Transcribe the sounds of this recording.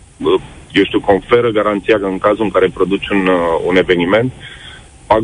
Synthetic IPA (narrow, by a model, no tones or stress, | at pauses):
jewʃt̪iuko̞ɱfe̞ɾəɡaɾant̪sijakəɨŋkazuɨŋkaɾepɾo̞d̪ut͡ʃʲunune̞ve̞nime̞nt̪̚ | paɡ